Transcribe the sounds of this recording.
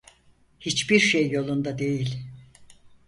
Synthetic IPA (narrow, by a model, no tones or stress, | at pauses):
hit͡ʃbiɾʃejːo̞lˠund̪ad̪e̞jilʲ